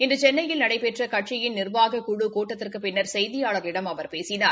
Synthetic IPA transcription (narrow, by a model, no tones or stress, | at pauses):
ɪndrɯt͡ʃɛnːɐjɪlnɐɽɐɪpɛʈrɐkɐʈt͡ʃɪjɪnnɪrʋaːɣɐkʊɽukoːʈːɐt̪ːɪrkɯpɪnːɐɾsɛjðɪjaːɭɐɾlɪɽɐmɐʋɐɾpeːsɪnaː